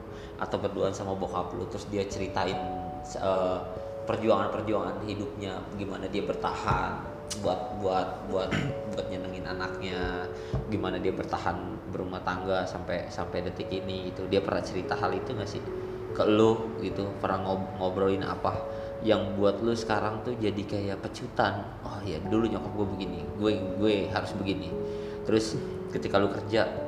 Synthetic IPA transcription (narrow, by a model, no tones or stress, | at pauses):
ʔa̰t̪awpərduansamabokaplʊ̰t̪ɾʊsdiat͡ʃəɾit̪aɪn | sə | pərd͡ʒuaŋanpərd͡ʒuaŋa̰nɦidʊp̚ɲa | ɡimanadiabərt̪ahan | buat̪̚buat̪̚buat̪̚buat̪̚ɲanəŋɪnanak̚ɲa | ɡimanadiabərt̪ahan | bəɾumaht̪aŋɡasampɛjsampajdət̪ɪkiniɡit̪udiapərnaʔt͡ʃəɾit̪aɦalit̪uŋasɪ̰h | kəlʊhɡit̪upəɾaŋoŋobɾoɪna̰pa | jaŋbuat̪̚lʊsə̥kaɾaŋt̪ud͡ʒadikajapət͡ʃut̪an | ʔɔhja̰duluɲokɔp̚ɡuebəɡiniɡueɡueɦaɾʊsbəɡini | t̪əɾʊs | kət̪ikalukərd͡ʒa